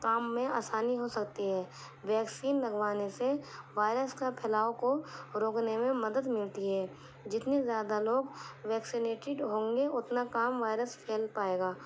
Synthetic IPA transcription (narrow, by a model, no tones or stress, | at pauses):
kaːmːẽaːsaːniɦosɐkt̪iɦɛː | ʋɛːksiːnlɐɡʋaːneseʋaːɪɾəskapʰɛːlaːokoɾoːknemẽmɐd̪əd̪mɪlt̪iɦɛː | d͡ʒɪt̪nezjaːd̪aloːɡʋɛːksineːʈɪɖɦõːŋɡeʊt̪nakaːmʋaːɪɾəspʰeːlpaːeːɡaː